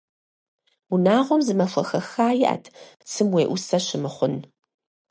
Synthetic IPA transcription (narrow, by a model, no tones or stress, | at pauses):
unaːʁʷɔmzɨmɐfʷɐxɐxaːjɪʔɐ̰tʰt͡sʰɨmweːʔʷʊsɐɕɪmɨχʷʊn